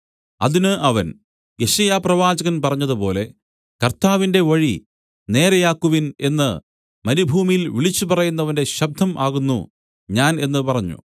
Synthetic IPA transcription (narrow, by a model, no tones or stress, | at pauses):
ɐ̰ðinɨʔɐʋɐn | eɕɐjaːprɐʋaːd͡ʑɐɣɐnpɐrɐɲːɐðɨpo̞ːle̞ | kɐrt̪aːʋinde̞ʋɐɻi | ne̞ːɾɐjaːkːuʋine̞nːɨ | mɐnibʱuːmijilʋiɭit͡ɕːupɐrɐjunːɐʋɐnde̞ɕɐb̚d̪ʱːɐmʔaːɣunːṵ | ɲaːne̞nːɨpɐrɐɲːṵ